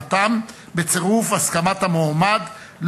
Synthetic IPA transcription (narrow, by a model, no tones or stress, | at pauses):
t̪am | bet͡seʁufaskamat̪hamomad̪ | l